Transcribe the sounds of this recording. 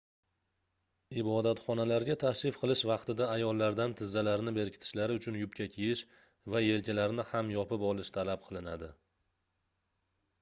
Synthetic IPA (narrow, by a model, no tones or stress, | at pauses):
ɪbɒd̪at̪χɒnalaɾɡʲat̪ʰaʃɪfqʰɨlˠɪʃvɑqt̪ɪd̪aːjɒlˠːaɾd̪ant̪ʰɪzːalaɾnɪbe̞ɾkʲʰɪt̪ʰɪ̥ʃlaɾɪʊt͡ʃʰʊnjʊpkʲakʲʰejɪʃ | vaje̞lkʲʰalaɾnɪhamjɒpɪpɒlˠɪʃt̪ʰalap̚qʰɨlˠɪnad̪ɪ